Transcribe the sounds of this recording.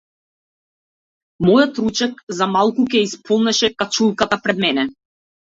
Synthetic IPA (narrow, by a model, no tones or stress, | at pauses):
mɔjɔt̪ɾut͡ʃɛkzamalˠkukɛispʰɔlˠnɛʃɛkat͡ʃulˠkat̪apɾɛd̪mɛnɛ